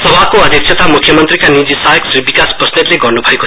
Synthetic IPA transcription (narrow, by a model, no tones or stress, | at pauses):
sʌbakoʌd̪ʱjek̚sʰʌt̪amukʰjʌmʌnt̪rikanid͡zisaeksribikasprʌsnitleɡʌrnubʱʌeko